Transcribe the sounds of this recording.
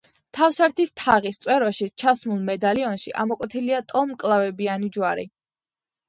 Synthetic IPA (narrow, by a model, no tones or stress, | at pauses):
t̪ʰafsaɾt̪ʰist̪ʰaʁist̪sʼwɛɾɔʃit͡ʃʰasmulˠmɛd̪aliɔnʃiʔa̰mɔkʼwɛt̪ʰiliat̪ʼɔmkʼlˠavɛbianid͡ʒwaɾḭ